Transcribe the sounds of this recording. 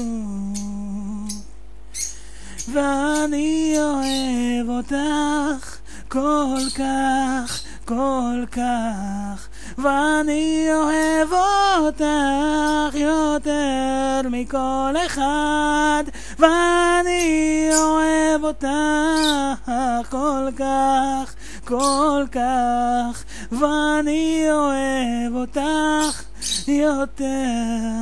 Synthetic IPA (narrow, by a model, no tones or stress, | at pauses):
veanioevot̪aχ | kolkaχ | kolkaχ | veaniohevot̪a | χjot̪eʁmikoleχad̪ | veanioevot̪a | akolkaχ | kolkaχ | veanioevot̪aχ | jot̪e